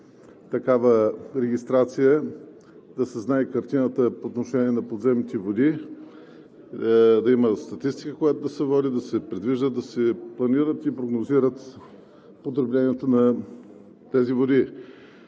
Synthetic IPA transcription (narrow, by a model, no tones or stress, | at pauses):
t̪ɐkavəɾɛɡʲist̪ɾat̪sijə | d̪ɐsɛznaikɐɾt̪inət̪əpoːt̪noʃɛnʲiɛnɐpod̪zɛmit̪ɛvod̪i | d̪ɐiməst̪ɐt̪ist̪i̥kəkojat̪od̪ɐsɛvɔd̪id̪ɐsɛpɾid̪viʒd̪əd̪ɐsɛplˠɐniɾət̪ipɾoɡnoziɾət̪ | pot̪ɾoblɛniɛt̪onɐ | t̪ɛzivod̪i